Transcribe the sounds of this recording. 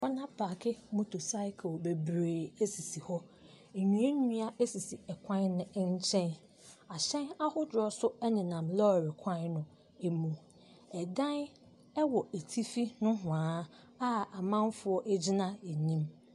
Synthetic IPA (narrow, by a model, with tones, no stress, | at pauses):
ɔ˦nã˦pʰaː˨kʰɪ˦mʊ̃˦tʰʊ˨sa˦ɪ˦kʰo˨be˨bɾeː˨e˦si˨si˨hɔ˦ | e˨ɲũ˨˦e˦ɲĩ˦a˦e˦si˨si˨ɛ˨kʰʷã˦nnʊ̃˨˦ɲ˦t͡ɕʰɛ̃˦n | a˨ɕɛ̃˦na˦hʊ˦dɾɔ˦sʊ˦ɛ˦nɪ̃˨nã˨mlɔ˦˨ɾɪ˨kʷʰã˦nnʊ̃˨ | e˨mũ˨ | ɛ˨dã˦n | ɛ˦wɔ˨e˨tʰi˦fi˦nʊ̃˦ɦʊ̃˨ãː˨˦ | a˦a˨mã˦m˦fʊ˦ɔ˦ʔɛ˦d͡ʑi˦nã˦ɛ˨nĩ˦m